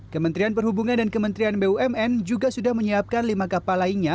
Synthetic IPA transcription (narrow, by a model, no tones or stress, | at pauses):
kəmənt̪ɾianpərɦhubuŋandankəmənt̪ɾianbeuɛmɛnd͡ʒuɡasudahməɲiap̚kanlimakapalainɲa